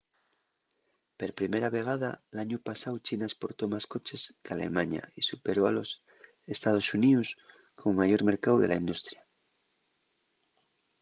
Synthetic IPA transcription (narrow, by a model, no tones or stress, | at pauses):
peɾpɾimeɾaβe̞ɣaðalaɲupasawt͡ʃinaespo̞ɾt̪omasko̞t͡ʃe̞skalḛmaɲa̰isupe̞ɾoa̰lo̞s | est̪að̞o̞sunius | kʰoŋmaʝo̞ɾme̞ɾkawðe̞lʔa̰ind̪ust̪ɾja